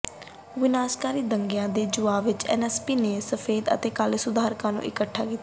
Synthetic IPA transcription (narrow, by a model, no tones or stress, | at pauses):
ʋɪnaːskaːɾiːd̪əŋɡjãːd̪eːd͡ʒʊʋaːʋɪt͡ʃɛ̰ːnɛːspiːneːsəpʰeːd̪ə̰t̪eːkalsʊd̪ʱaːɾkãːnṵ̃ːʔɪ̰kəʈʰːaːkɪt̪aaː